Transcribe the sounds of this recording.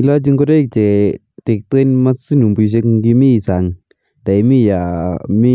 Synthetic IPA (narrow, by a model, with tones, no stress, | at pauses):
i˧la˦d͡ʒɯ˧ŋkɔ˦de˦˨k̚t͡ʃe˨ | t̪e˨k̚t̪ɯ˦nma˦si˦nu˨mpu˧s̬e˧kɡi˧mi˦˨sa˨ŋ | d̥a˨jmi˦ja˨mi˦